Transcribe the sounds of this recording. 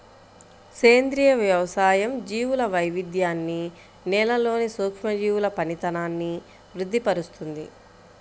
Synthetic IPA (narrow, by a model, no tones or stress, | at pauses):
seːnd̪ɾijɐʋjɐʋɐsaːjɐmd͡ʒiːʋulɐʋɐjʋid̪ʱjaːnːi | nɛːlɐlo̞ːnisuːkʂmɐd͡ʒiːwulɐpɐnit̪ɐnaːnːi | ʋɾud̪ʱːipɐɾust̪und̪ḭ